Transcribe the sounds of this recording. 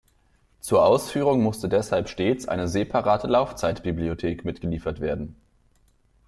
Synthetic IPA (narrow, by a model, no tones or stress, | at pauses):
t͡suːɐʔaʊsfyːʁ̞ʊŋmʊstədɛshalpʃteːt͡sʔa̰ɪnəzeːpʰaʁaːtʰəlaʊft͡saɪtb̥ibliotʰeːkmɪtɡ̥əliːfɐtv̥eːɐdn̩